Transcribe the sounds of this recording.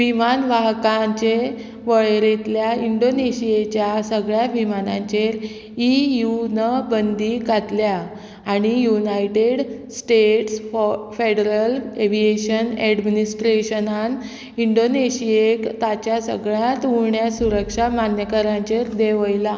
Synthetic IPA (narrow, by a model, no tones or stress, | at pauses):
ʋimanʋaɦkaɲt͡ɕe | ʋəɭɾet̪ljaiɳɖoneɕiet͡ɕjasəɡɭjaʋimanã̰ɲt͡ɕeɾ | ijunəbənd̪iɡat̪ljaː | ɽ̃ijunajʈeɽsʈeʈsfeɽəɾəleʋieɕənɛɖminisʈɾeɕənan | iɳɖoneɕiekt̪at͡ɕjasəɡɭjãt̪uɾɳjasuɾəkʂamanjəkəɾãɲt͡ɕeɾd̪eʋəjla